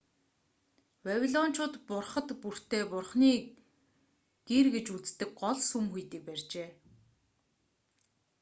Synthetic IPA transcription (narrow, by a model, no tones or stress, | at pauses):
wawʲiɮɔn̥t͡ɕʰʊːt̪pʊrχə̆t̪pur̥t̪ʰeːpʊrχniː | ɡ̥irɡet͡ɕut͡st̪ɘ̆k̚ɢɔɮsumxujt̪ĭːk̚pærʲt͡ɕeː